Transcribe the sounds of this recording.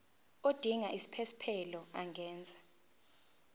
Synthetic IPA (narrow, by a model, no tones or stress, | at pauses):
od̥ʱiŋaʔisi̥pʰesi̥pʰɛlɔaŋʱɛːnd͡zʱḁ